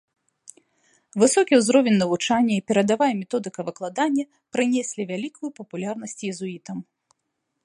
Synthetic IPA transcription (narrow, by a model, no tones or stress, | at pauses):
vɨsɔkʲiwzɾɔvʲɛnʲnɐvut͡ʂanʲːɐipʲɛɾɐd̪avajɛmʲɛt̪ɔd̪ɨkɐvɨklˠad̪anʲːɐ | pɾɨnʲɛsʲlʲivʲalʲikʰujupɐpulʲarn̪ɐsʲt͡sʲjɛzuit̪ɐm